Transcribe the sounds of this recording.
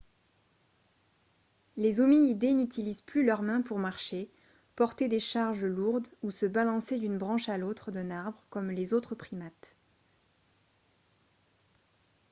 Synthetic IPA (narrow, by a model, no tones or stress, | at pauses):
lezomiid̪enyt̪ilizplylœʁmɛ̃puʁmaʁʃe | pɔʁt̪ed̪eʃaʁʒəluʁd̪usəbalɑ̃sed̪ynbʁɑ̃ʃalot̪χəd̪ɛ̃naʁbʁəkɔmlezot̪χəpχimat̪